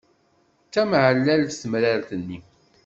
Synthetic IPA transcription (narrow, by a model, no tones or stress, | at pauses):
t͡s̪ːæmʕəlːælθsmɾaɾθənːi